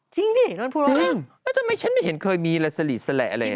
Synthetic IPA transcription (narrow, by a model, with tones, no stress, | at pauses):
t͡ɕʰi˧ŋdi˧˥˩nɔː˧˩npʰu˧˩˧ŋlɛː˦˥˩t̪ʰa˧ma˧jt͡ɕʰa˦˥nma˥˩jɦe˩˦nkʰɤː˧jmiː˧lɛ˧˩sa˧li˨˩sa˧lɛ̰˨˩ʔ̚a˧ɾa˧jʔa˨